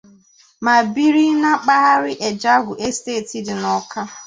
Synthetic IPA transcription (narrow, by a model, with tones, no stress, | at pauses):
ma˨bi˦ɾi˦na˦k͡pa˦ɦa˦ɾɪ˦ʔe˨d͡ʒa˦ɡʷʊ˨ʔe˦steː˦˨ti˨dɪ˨nɔ˨ka˦